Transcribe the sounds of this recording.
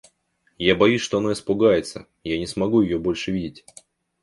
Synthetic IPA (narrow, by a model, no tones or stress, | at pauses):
jabɐjusʲʂt̪oɐno̞ɪspʊɡajɪt̪sə | janʲɪsmɐɡujɪjobo̞lʲʂɨvʲidʲɪtʲ